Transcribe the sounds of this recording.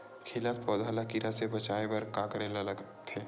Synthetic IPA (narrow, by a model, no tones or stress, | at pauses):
kʰeːlat̪̚pɔːd̪ʱaːlakiɾasebɐt͡ʃaːebɐɾkaːkəɾelalɐɡ | t̪ʰeː